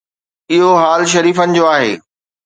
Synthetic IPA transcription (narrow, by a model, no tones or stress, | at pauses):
ɪɦoɦaːlʃ̬ɐɾiːfənɪ̆d͡ʑoːaːɦḛː